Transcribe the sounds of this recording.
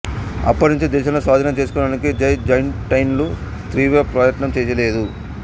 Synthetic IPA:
ɐ̰pːɐɾiɲt͡ʃed̪ɛːʃɐmloːsaːd̪ʱɐnɐmt͡ʃeːs̬ukɔːɽaːnikid͡ʒɐjd͡ʒɐjnʈɐjnlu | t̪ɾiːʋeːpɾɐːjɐʈnɐmt͡ʃeːsɐle̞ːd̪u

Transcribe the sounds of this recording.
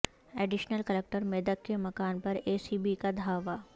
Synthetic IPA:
ɛːɖɪʃnəlkəlek̚ʈəɾmeːd̪ət̪̚kemɐkaːnpɐɾeːsiːbikad̪ʱaːʋaː

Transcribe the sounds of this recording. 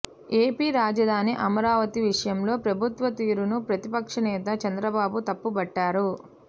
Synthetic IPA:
e̞ːpiːɾaːd͡ʒɐd̪ʱaːniʔɐmɐɾaːʋɐt̪iʋiʂɐjɐmlo̞ːpɾɐbʱut̪ʋɐt̪iːɾunupɾɐt̪ipɐkʂɐnɛːt̪ɐt͡ʃɐnd̪ɾɐbaːbut̪ɐpːubɐʈːaːɾu

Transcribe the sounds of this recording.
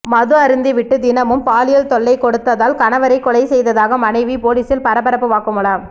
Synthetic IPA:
mɐðɯɐɾɯnd̪ɯʋɪʈːɯd̪ɪnɐmɯmpaːlɪjɐlt̪ɔɭːɐɪkɔɽɯt̪ːɐðaːlkɐnɐʋɐɾɐɪkːɔɭɐɪsɛjðɐðaːɣɐmɐnɐɪʋipoːliːsɪlpɐɾɐbɐɾɐpːɯʋaːkɯmɯɭaːm

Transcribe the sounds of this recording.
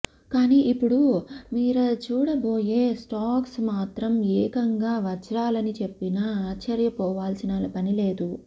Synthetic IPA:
kaːniːʔipːuɽumiːɾɐt͡ʃuːɽɐbo̞ːje̞ːsʈaːksmaːt̪ɾɐmɛːkɐŋɡaːʋɐt͡ʃɾaːlɐnit͡ʃe̞pːinɐaːt͡ʃːɐɾjɐpɔːʋaːlsinaːlɐpɐnile̞ːd̪u

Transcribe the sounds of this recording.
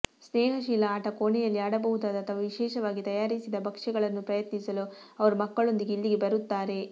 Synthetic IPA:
snɛːɦɐʃiːlɐaːʈɐkoːɳɛjɐlːiaːɽɐbɐɦud̪aːd̪ɐt̪ʰɐʋɐʋiʃɛːʃɐʋaːɡit̪ɐjaːɾisid̪ɐbɐkʂɛɡɐɭɐnːupɾɐjɐt̪nisɐlu | ɐʋɐɾumɐkːɐɭo̞nd̪iɡeilːiɡebɐɾut̪ːaːɾe̞

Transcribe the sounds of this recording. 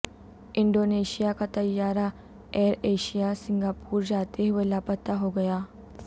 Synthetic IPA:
iɳɖoneɕijakat̪əjːaɾa | eɾeɕijasiŋɡapuːɾd͡ʑat̪eɦʋəlapət̪ːaɦoɡəja

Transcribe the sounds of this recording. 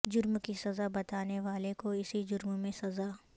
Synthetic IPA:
d͡ʒʊɾmkisɐzabɐt̪aːneʋaːlekoɪsid͡ʒʊɾmmẽsɐzaː

